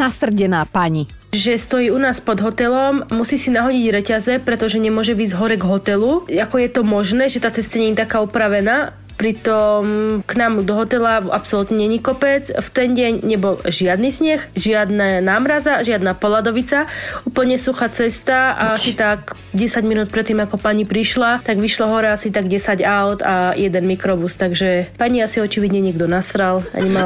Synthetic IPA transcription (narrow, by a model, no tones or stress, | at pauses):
nasr̩ɟɛnaːpaɲi | ʒɛst̪ɔjiːunaːspɔd̪ɦɔt̪ɛlɔmmusiːsinaɦɔɟiɟɾɛcazɛpɾɛt̪ɔʒɛɲɛmʊɔʒɛʋiːzɦɔɾɛɡɦɔt̪ɛluakɔjɛt̪ɔmɔʒnɛːʒɛt̪aːt͡sɛst̪aɲɛɲit̪akaːupɾaʋɛnaː | pɾit̪ɔmknaːmd̪ɔɦɔt̪ɛlaapsɔlut̪ɲɛɲɛɲikɔpɛd͡zft̪ɛnɟɛɲɲɛbɔlʒɪad̪nisɲɛxʒɪad̪nanaːmɾazaʒɪad̪napɔlad̪ɔʋit͡sauːpl̩ɲɛsuxat͡sɛst̪aa̰asit̪ak | ɟɛsaɟminuːt̪̚pɾɛt̪ːiːmakɔpaɲipɾiʃlat̪aɡʋiʃlɔɦɔɾɛasit̪aɡɟɛsaɟaʊt̪ajɛd̪ɛnmikɾɔbust̪aɡʒɛpaɲiasiɔt͡ʃiʋid̪ɲɛɲɪɛɡd̪ɔnasɾala̰ɲɛma